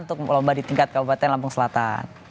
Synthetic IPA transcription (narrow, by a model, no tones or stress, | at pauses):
nt̪ʊk̚lɔmbadit̪iŋkat̪̚kabupat̪ɛnlamp̬ʊŋsəlat̪a̰n